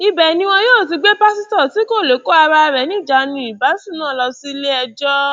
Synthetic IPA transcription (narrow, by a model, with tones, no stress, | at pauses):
i˧bɛ˨nĩ˧w̃ɔ̃˧joː˦˨ti˧ɡ͡be˦pa˦si˦tɔ˦˨ti˨˦ko˦˨le˨˦ko˦a˧ɾa˧ɾɛ˨˦nĩ˦˨d͡ʒa˨˧˦nĩ˨i˨ba˨˦si˦˨nã˦˨lɔ˧si˦le˦ɛ˧d͡ʒɔ˦